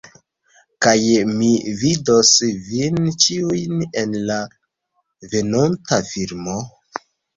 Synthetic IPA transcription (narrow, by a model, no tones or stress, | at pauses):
kajmividosvint͡ʃiujnenla | ve̞nontafiɾmo